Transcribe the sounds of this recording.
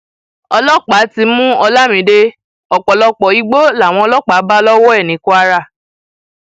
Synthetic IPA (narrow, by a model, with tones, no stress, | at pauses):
ɔ˧lɔ˦k͡pa˨˦ti˧mũ˦ɔ˧la˦mĩ˨˦de˧ | ɔ˨k͡pɔ˨lɔ˧k͡pɔ˨i˨˦ɡ͡bo˦la˦˨w̃ɔ̃˧ɔ˧lɔ˦k͡pa˨˦ba˦lɔ˦wɔ˦ɛ˦˨nĩ˨˦ku˦a˧ɾa˦˨